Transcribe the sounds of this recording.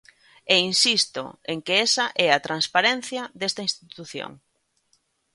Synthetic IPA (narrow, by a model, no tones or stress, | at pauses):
einsist̪o̰eŋkeesɐʔɛɐt̪ɾanspaɾen̟θjɐd̪est̪ɐĩnst̪it̪uθjo̰ŋ